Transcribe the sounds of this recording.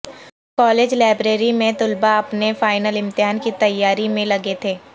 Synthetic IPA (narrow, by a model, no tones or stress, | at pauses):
kɔːleːd͡ʒlaːbɾeːɾimẽt̪ʊlbaɐpnefaːɪnəlɪ̃mt̪ɪɦaːnkit̪ɐjːaːɾimẽlɐɡet̪ʰeː